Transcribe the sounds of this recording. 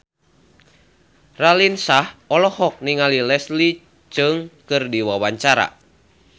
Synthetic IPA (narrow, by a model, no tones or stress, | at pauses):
ralinsahɔlɔhɔk̚niŋalilɛsli | t͡ʃɨŋkɨrdiwawaɲt͡ʃaɾa̰